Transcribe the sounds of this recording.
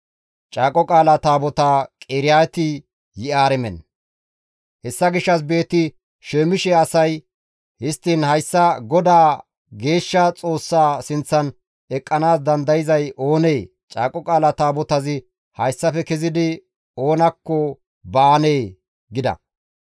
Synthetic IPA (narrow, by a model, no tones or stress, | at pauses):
t͡ʃʼaːkʼɔkʼaːlat̪aːbɔt̪aːkʼeːɾɪjaːt̪ɪ | jɪʔaːɾɛmɛn | hɛsːɐɡɪʃːɐs̬be̞ːt̪ːɪ | ʃeːmɪʃɛɐsɐj | hɪst̪ːiːnhɐjsːɐɡɔd̪aː | ɡe̞ːʃːɐt͡sʼo̞ːsːaːsɪnt͡sːɐn | ɛkʼːɐnaːs̬d̪ɐnd̪ɐjɪzɐjo̞ːneː | t͡ʃʼaːkʼɔkʼaːlɐt̪aːbɔt̪ɐzɪ | hɐjsːɐfɛkɛzɪd̪ɪ | o̞ːnɐkːɔ | baːneː | ɡɪd̪ɐ̰